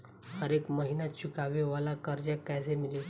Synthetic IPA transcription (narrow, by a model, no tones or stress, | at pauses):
həɾekməɦinat͡ɕikaʋeʋalakəɾd͡ʑakad͡zemili